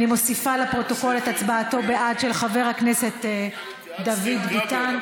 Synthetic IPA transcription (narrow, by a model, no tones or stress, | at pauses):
nimo̞sifalepʁo̞to̞ko̞let̪at͡sbaːto̞beʔadʃelχave̞ʁhakneset̪ː | d̪avid̪bitan